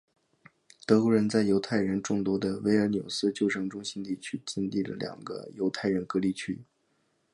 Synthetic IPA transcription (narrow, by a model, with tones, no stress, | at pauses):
t̪ɤ˧˥ku˧˥ɻə˧˥nt͡sa˥˩ɪjo˧˥ʊt̪ʰa˥˩ɪɻə˧˥nʈ͡ʂʊ˥˩ŋt̪wɔ˥d̪ə˧we˧˥ɪə˞˧˥njo˨˩ʊsɹ̩˥˧t͡ɕjo˥˩ʊʈ͡ʂʰɤ˧˥ŋʈ͡ʂʊ˥ŋɕi˥nt̪i˥˩t͡ɕʰy˥t͡ɕɛ˥nt̪i˥˩lə̰˩ljɑ̰˨˩ŋɡə̰˦jo˧˥ʊt̪ʰa˥˩ɪɻə˧˥nkɤ˧˥li˥˩t͡ɕʰy̰˥